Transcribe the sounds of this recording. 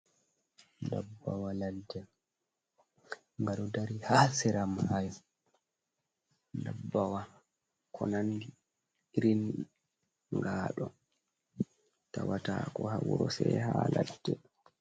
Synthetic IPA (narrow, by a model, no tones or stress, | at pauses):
ndabːawaladːɛ | ŋɡaɗɔdaɾihasɛɾamhaj | ndabːawa | kʰɔ̰nandi | iɾin | ŋɡaːɗɔ | tawatakɔhawuɾɔsɛhaladːɛ